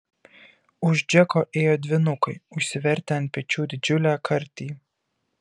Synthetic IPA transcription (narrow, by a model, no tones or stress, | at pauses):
ʊʒd͡ʒʲɛkoːʔeːjoːd̪ʲʋʲɪnʊkɐɪʊʃʲsʲɪʋʲɛɾʲˑt̪ʲɛnt̪̚pʲɛt͡ʃʲuːd̪ʲɪd͡ʒʲʊlʲæːkʰɐɾʲt̪ʲiː